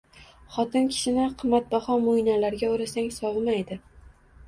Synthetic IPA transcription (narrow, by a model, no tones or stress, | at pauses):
χɒt̪ɪnkʲʰɪ̥ʃɪnɪqʰɨmːat̪̚baχɒmʊjnalaɾɡʲaoɾasaŋsɒvmajd̪ɪ